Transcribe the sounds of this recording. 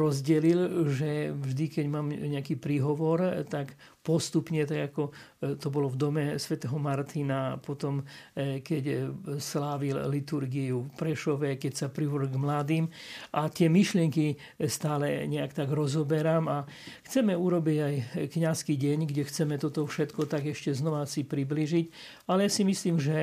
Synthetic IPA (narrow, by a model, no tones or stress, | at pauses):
ɾɔzɟɛlilʒɛvʒd̪ikɛɟmaːmɲɛakiːpɾiɦɔʋɔɾt̪ak | pɔst̪upɲɛt̪aɡakɔ | t̪ɔbɔlɔvd̪ɔmɛsʋɛt̪ɛɦɔmaɾt̪inapɔt̪ɔmkɛcslaːʋillit̪uɾɡiupɾɛʃɔʋɛkɛcsapɾiʋɔɡmlaːd̪iːmʔat̪ɪɛmiʃlɪɛŋki | st̪aːlɛɲɛakt̪aɡɾɔzɔbɛɾamaxt͡sɛmɛuɾɔbiɟajkɲaskiɟɛɲɡɟɛxt͡sɛmɛt̪ɔt̪ɔfʃɛt̪kɔt̪aɡɛʃcɛznɔʋasipɾibliːʒic | alɛjasimisliːmʒɛ